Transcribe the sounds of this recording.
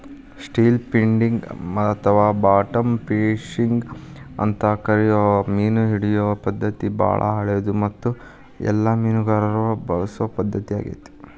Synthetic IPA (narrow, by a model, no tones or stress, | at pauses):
sʈiːlpiɳɖiŋɡt̪ʰɐʋaːbaːʈɐmpeːʂiŋɡɐ̰nt̪ɐkɐɾijɔmiːnuɦiɽijɔʋɐpɐd̪ːɐt̪iba̰ːɭʔɐ̰ɦɐɭed̪umɐt̪ːu | ɛ̰lːɐmiːnuɡaːɾɐɾɐʋɐbɐ̰ɾɐsuʋɐpɐd̪ːɐt̪ia̰ːɡḭt̪e̥